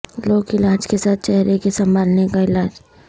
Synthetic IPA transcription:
loːkɪlaːd͡ʒkesaːt̪̚t͡ʃɛɦɾekesɐ̃mbʱaːlnekaɪlaːd͡ʒ

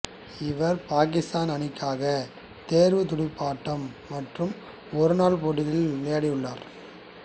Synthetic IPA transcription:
ɪʋɐɾpaːk̬ɪst̪aːnɐnɪkːaːɣɐ | t̪eːɾʋɯt̪ʊɽɪpːaːʈːɐmːɐʈrɯm | ɔɾɯnaːɭpoɽɪlɪlneːɐɽɪjɯɭːaːɾ

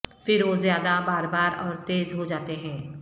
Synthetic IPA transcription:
fɪɾʋozjaːd̪abaːɾbaːɾɔːɾt̪eːzɦod͡ʒaːt̪eɦɛ̃ː

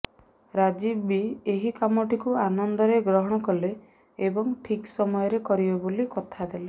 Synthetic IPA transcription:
ɾad͡ʒibbieɦikamɔʈikuanɔnd̪ɔɾeɡɾɔɦɔɽ̃ɔkɔle | ebɔŋʈʰiksɔmɔjɔɾekɔɾibebolikɔt̪ʰad̪ele

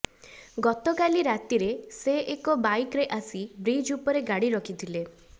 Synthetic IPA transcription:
ɡɔt̪ɔkaliɾat̪iɾeseʔekɔbajkɾeʔasibɾid͡ʒupɔɾeɡaɽiɾɔkʰit̪ʰile

